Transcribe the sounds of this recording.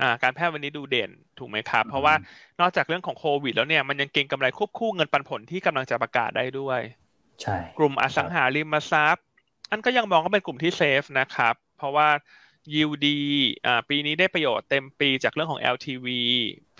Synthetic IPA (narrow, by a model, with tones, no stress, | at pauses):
ʔaː˨˩kaː˧npʰɛː˥˩t̪̚wa˧nːiː˦˥duː˧deː˨˩n | t̪ʰuː˨˩ma˦˥jkʰa˦˥pʰːɾɔ˦˥waː˥˩nɔː˥˩k̚t͡ɕaː˨˩kɾɯ˥˩əŋkʰɔː˩˦ŋkʰoː˧wi˨˩t̪̚lɛː˦˥wni˥˩ɐma˧nja˧ŋke˧ŋka˧mɾa˧jkʰu˥˩p̚kʰuː˥˩ŋɤ˧npa˧npʰo˨˩˦nt̪ʰiː˥˩ka˧mla˧ŋt͡ɕa˨˩pɾa˧ka̰ː˨˩t̪̚daː˥˩jdu˥˩əj | t͡ɕʰa˥klu˨˩mʔa̰˨˩sa˩˦ŋɦaː˩˦li˧mːa˧sa˦˥p̚ | na˥˩nkɔː˥˩ja˧ŋmɔː˧ŋkɔː˥˩pe˧nklu˨˩mt̪ʰiː˥˩seː˦˥f̚na˦˥kʰa˦˥pʰːɾɔ˦˥waː˥˩ | ji˧wdiː˧ʔaː˨˩piː˧niː˦˥daː˥˩jpɾa˧joː˨˩t̪ːe˧mpiː˧t͡ɕaː˨˩k̚ɾɯ˥˩kʰɔː˩˦ʔɛ̰ː˧wt̪ʰiː˧wiː˧